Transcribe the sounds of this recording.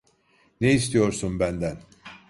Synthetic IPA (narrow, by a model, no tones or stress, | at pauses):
neist̪ijo̞ɾsunbænd̪æn